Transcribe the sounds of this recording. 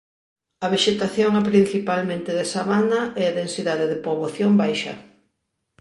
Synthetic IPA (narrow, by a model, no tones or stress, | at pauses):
ɐβeʃet̪aθjoŋapɾin̟θipalmẽnt̪ɪðesaβanɐʔeaðensiðaðeðɪpoβoθjombajʃɐ̰